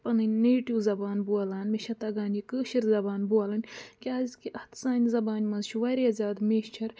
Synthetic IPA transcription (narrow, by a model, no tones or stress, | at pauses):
pɐnɨnʲneːʈiwzɐbaːnbuɐlaːnmeʃɐt̪ɐɡaːnjikəːʃiɾzɐbaːnbuɐlɐnʲkʲaːzkiʔɐht̪saːnʲzɐbaːnʲmɐzʃʰuʋɐɾiɐzʲaːd̪meːʃt͡ʃʰɐɾ